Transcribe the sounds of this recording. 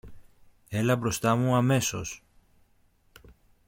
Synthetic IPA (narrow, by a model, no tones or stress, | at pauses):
e̞lɐbɾo̞st̪ɐmuɐme̞so̞̰s